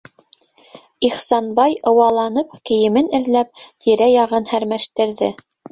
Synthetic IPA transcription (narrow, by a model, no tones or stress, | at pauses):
iχsɑnbɑjɤ̆wɑlˠɑnɤp̚kɘ̆jɘ̆mɘnɘ̆ðlæp̚t̪ʰiɾæjɑʁɤnhæɾmæʃt̪ɘ̆ɾðɘ